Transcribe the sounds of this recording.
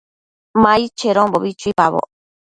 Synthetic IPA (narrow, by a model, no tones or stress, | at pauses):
mait͡ʃeɾomboβit͡ʃuipaβo̰